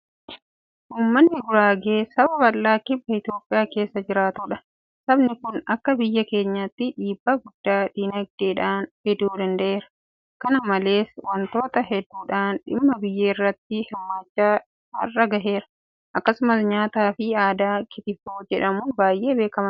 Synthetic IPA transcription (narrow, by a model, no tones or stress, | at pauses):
ʔuːmːɐnːɪɡʊɾaːɡeːsɐbɐbɐlːaːkɪbːɐɪt̪ɪjo̞ːpʼːɪjaːke̞ːsːɐd͡ʒɪɾaːt̪ʊᶑɐ | sɐbnɪkʊnɐkːɐbɪjːɐke̞ːɲːɐt̪ːɪᶑiːbːaɡʊd̪ːaːᶑiːnɐɡ̚d̪̥eːᶑaːnhɪd̪uːd̪ɐnd̪ɐʔeːɾɐ̥ | kɐnɐmɐle̞ːswɐnt̪o̞ːt̪ɐɦɛd̪ːuːᶑaːnᶑɪ̰mːɐbɪjːeːɪrːɐt̪ːɪhɪmːaːt͡ʃːaː | ɐ̰rːɐɡɐɦe̞ːɾɐ | ʔɐkːɐsʊmɐsɲaːt̪aːfɪaːd̪aːkɪt̪ɪfoːd͡ʒɛᶑɐmʊbaːjʔe̞ːbe̞ːkɐmɐn